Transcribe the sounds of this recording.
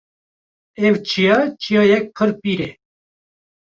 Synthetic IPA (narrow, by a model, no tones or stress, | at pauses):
ɛvt͡ʃʰijɑt͡ʃʰijɑjɛk̚qʰɨɾpiːɾe